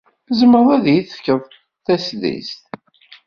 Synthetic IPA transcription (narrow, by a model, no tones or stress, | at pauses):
zəməɾˤæðjiθə̥fkːəðˤ | θæsðḭst̪